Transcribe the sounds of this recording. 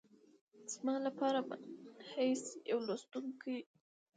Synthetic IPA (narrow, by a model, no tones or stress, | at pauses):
z̥malapɑɾabahajsjawlost̪uŋkʰaj